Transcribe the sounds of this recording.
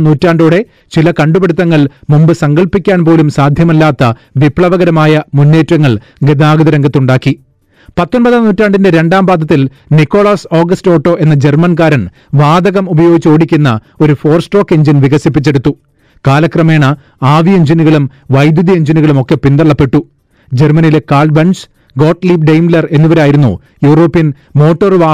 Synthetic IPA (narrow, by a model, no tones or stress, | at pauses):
nuːtːaːɳɖuːɽe̞ | t͡ɕilɐkɐɳɖubeɽut̪̬ːɐŋːɐɭmumbɨsɐŋɡɐɭpːikʲːaːnpo̞ːlumsaːd̪ʱjɐmɐlːaːt̪ːɐ | ʋipɭɐʋɐɣɐɾɐmaːjɐmunːe̞ːtːwɐŋːɐɭ | ɡed̪ʱaːɣɐðɐɾɐŋɡɐt̪ːuɳɖaːkːi | pɐt̪ːonbɐðaːnuːtːaːɳɖinde̞ɾe̞ɳɖaːmbaːd̪ʱɐt̪̬ːil | nikːo̞ːɭaːso̞ːɡɐsto̞ːʈːo̞ːe̞nːɐd͡ʑe̞rmɐnkaːɾɐn | ʋaːd̪ɐɣɐmubɐjo̞ːɡit͡ɕːo̞ːɽikʲːunːɐ̰ | o̞ɾufo̞ːrsʈo̞ːkːeɲd͡ʑinʋiɣɐsip̬ːit͡ɕːe̞ɽut̪ːu | kaːlɐkrɐme̞ːɳɐ | aːʋieɲd͡ʑinuɣɐɭum | ʋɐjd̪jud̪ieɲd͡ʑiniɣɐɭumo̞kːe̞pind̪ɐɭːɐpːe̞ʈːu | d͡ʑermɐnile̞kaːɭɖbɐns | ɡo̞ːʈːliːpɖejmlɐre̞nːuʋɐɾeaːjiɾunːṵ | juːro̞ːpːijɐn | mo̞ːʈːɐrʋaː